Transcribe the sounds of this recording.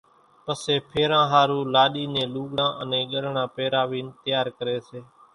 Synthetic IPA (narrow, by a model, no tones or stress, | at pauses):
pəseːpʰeːɾãːɦaːɾuːlaːɗiːnẽːluːɠɽãːʔənẽːɠəlɳãːpeːɾaːʋiːnt̪əjaːɾkəɾeːseː